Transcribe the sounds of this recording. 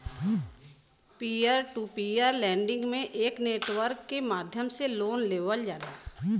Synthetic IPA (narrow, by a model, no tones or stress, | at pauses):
piəɾʈupiːəɾlɛ̃ːɳɖɪ̃ŋɡmẽʔeːkneːʈʋəɾkːemaːd̪ʱjəmseloːnleːʋəld͡ʒaːd̪aː